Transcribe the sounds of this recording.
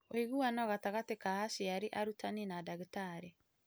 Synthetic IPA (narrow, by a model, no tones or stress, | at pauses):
oiɣuanɔɣataɣatekahasiaɾiʔaɾutʰaninadaɣitaɾe